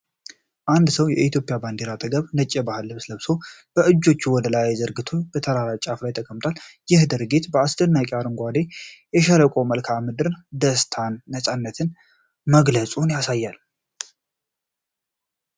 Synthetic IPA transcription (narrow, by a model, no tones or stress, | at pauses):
ʔand̪səwjɛʔit̪ʰjo̞pʼjaband̪eɾat̪ʼəɡəβnət͡ʃʼːɛbahɨlːɨβsləβsob̥əʔɨd͡ʒːo̞t͡ʃːuwɔd̪əlajzəɾɡɨt̪ʰo̞b̥ət̪ʰəɾaɾat͡ʃʼaflajt̪ʰəkʼəmt̪ʰʼaljɪhd̪ɨɾɡit̪bəasd̪ɨnːakʼeaɾɨŋɡʷad̪ejɛʃələkʼoməlkʰamɨd̪ɨɾd̪əst̪ʰanːəsʼanːət̪ʰɨn | məɡləsʼunjasajːal